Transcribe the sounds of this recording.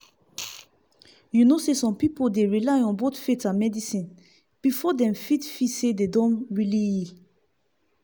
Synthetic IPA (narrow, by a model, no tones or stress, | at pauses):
junosesɔ̃mpipodeɹilajɔ̃nbotfetãnmɛdisĩn | b̥ifɔdɛ̃mfitfisededɔ̃nɹilii